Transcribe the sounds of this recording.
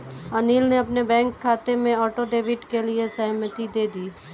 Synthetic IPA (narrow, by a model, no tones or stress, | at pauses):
ɐniːlneɐpnebɛ̃ːŋkʰːaːt̪emẽɔːʈoɖeːʋɪʈkeliesɐɦmət̪id̪eːd̪iː